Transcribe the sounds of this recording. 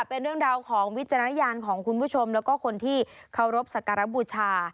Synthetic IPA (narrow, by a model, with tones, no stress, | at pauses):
pe˧nɾɯ˥˩əŋɾaː˧wkʰɔː˩˦ŋwi˦˥t̪̚t͡ɕa˧ɾa˧na˦˥jaː˧nkʰɔː˩˦ŋkʰu˧npʰuː˥˩t͡ɕʰo˧mlɛː˦˥wkɔː˥˩kʰo˧nt̪ʰiː˥˩ | kʰa˧˩wɾo˦˥p̚sa˨˩ka˧ɾa˦˥buː˧t͡ɕʰaː˧